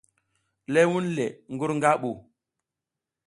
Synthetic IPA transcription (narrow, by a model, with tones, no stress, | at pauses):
le˦wu˦nle˨ŋɡu˦ɾŋɡa˦ɓu˨